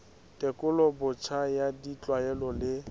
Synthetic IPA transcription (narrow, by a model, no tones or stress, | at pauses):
tʼɛkʼʊlɔbʊt͡ʃʰajadit͡ɬʼwaɛlɔlɪ